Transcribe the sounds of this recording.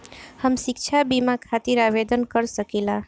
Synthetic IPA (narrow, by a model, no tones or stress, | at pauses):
həmsik̚t͡ʃʰabimakʰat̪iɾabed̪ənkəɾsəkila